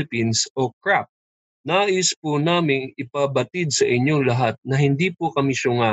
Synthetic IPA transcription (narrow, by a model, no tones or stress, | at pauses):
ɪpinsʔo̞kɹap̚ | naːʔɪspunaːmɪŋɪpɐbɐt̪id̪̚sɐʔɪɲoŋlɐɦat̪̚nɐɦɪnd̪ipokɐmɪʃʊŋa